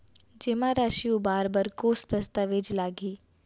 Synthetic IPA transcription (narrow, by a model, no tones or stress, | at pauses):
d͡ʒeːmãɾaːʃijũbaːɾbəɾkoːst̪ɐst̪aʋeːd͡ʒlaːɡiː